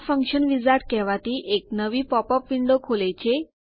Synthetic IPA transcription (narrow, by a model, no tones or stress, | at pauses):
fəŋkɕənʋid͡zaʈ̪kɛʋat̪iːʔek̚nəʋiːpɔpəpʋiɳɖokʰolejt͡ɕe